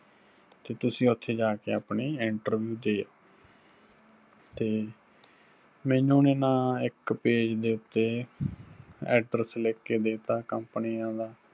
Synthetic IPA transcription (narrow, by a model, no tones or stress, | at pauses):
t̪eːt̪ʊsĩːʊt̪ʰːeːd͡ʒaːkeːaːpniːɪɳʈəɾbjuːd̪eːjaː | t̪eː | mɛ̃ːnũːneːnãːɪkpeːd͡ʒd̪eːʊt̪ːeː | ɛːɖɾəsleːkːeːd̪eːt̪aːkəmpnijãːd̪aː